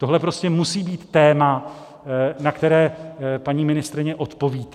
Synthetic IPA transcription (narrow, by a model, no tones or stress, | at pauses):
t̪o̞ɦlɛpɾo̞scɛmusiːbiːt̪ːɛːma | nakt̪ɛɾɛːpaɲiːmɪnɪst̪ɾɪɲɛʔo̞t̪po̞viːt̪